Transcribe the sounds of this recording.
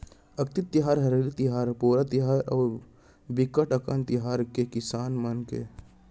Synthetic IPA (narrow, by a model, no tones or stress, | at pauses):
ɐk̚t̪ɪt̪ːɪɦaːɾɦɐɾeːlit̪ɪɦaːɾpuːɾat̪iɦaːɾɔːɾ | bikəʈəkə̃nt̪ɪɦaːɾkekɪsaːnmənkḛ